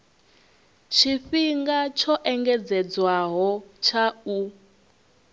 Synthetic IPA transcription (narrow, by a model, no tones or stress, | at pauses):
t͡ʃʰiɸiŋɡat͡ʃʰɔʔɛŋɡɛd͡zɛd͡zwaɦɔt͡ʃʰau